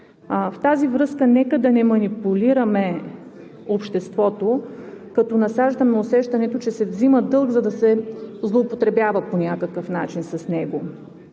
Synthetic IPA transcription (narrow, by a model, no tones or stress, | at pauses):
ft̪azivɾɤskənɛkəd̪ɐnɛmɐnipuliɾɐmɛ | opʃt̪ɛst̪vɔt̪okɐt̪ɔnɐsaʒd̪ɐmɛosɛʃt̪ɐnɛt̪ot͡ʃɛsɛvziməd̪ɤlˠɡzɐd̪ɐsɛzlˠoːpot̪ɾɛbjavəponʲakəkəfnat͡ʃinsɐsnɛɡo